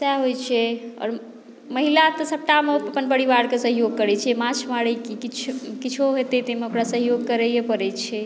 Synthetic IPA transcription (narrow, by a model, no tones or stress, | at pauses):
saɦojt͡ʃʰɛɔ̰ːɾ | məɦilat̪ɔsəp̚ʈameəpənbəɽibaɽkesəɦjoɡ̚kəɾɛt͡ʃʰɛmãt͡ʃʰmaɽəkikit͡ʃʰkit͡ʃʰoɦet̪ɛt̪emeokɾasəɦjoɡ̚kəɾɛjepəɾɛt͡ʃʰɛ